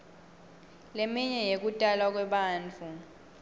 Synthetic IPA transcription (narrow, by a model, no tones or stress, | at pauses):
lemiɲɛjek̬utʼalak̬wɛɓaːnt͡fʰʼu